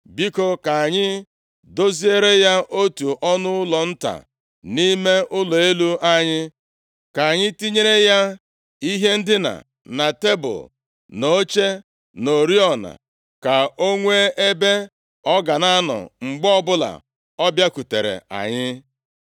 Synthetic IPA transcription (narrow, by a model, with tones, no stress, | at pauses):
bi˦ko˦ka˨a˨ɲɪ˦ | do˦zi˦e˦ɾe˦ja˦ʔo˦tu˨ʔɔ˦nʊ˦ʊ˦lɔ˨n̩˦ta̰˨ | ni˦me˦ʔʊ˦lɔ˨e˦lu˦a˦ɲɪ˦ | ka˨a˨ɲɪ˦ti˦ɲe˦ɾe˦ja˦ | i˦ɦe˦n̩˦dɪ˦na̰˨ | na˨te˦bʊ̰˨ | no˨˦t͡ʃe˦ | no˨ɾi˦ɔ˨na̰˨ | ka˨o˦ŋʷe˦ʔe˦be˦ | ɔ˦ɡa˨na˦nɔ̰˨ŋ͡m̩˨ɡ͡bɔ˦bʊ˦la̰˨ | ɔ˦bja˦ku˨te˨ɾḛ˨a̰˨ɲɪ˦